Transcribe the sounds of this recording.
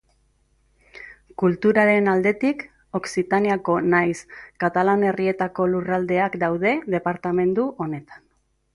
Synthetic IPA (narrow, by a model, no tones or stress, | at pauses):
kult̪uɾaɾe̞nald̪e̞t̪ik | o̞ksit̪aniako̞najskat̪alane̞rie̞t̪ako̞lurald̪e̞akd̪awðe̞ðe̞paɾt̪ame̞nd̪uʔo̞ne̞t̪ḁn